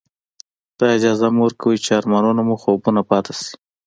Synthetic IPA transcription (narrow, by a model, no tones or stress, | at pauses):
d̪̥ɑɪd͡ʒɑzamuwəɾkawət͡ʃɑɾmɑnunamuxobunapɑt̪asi̥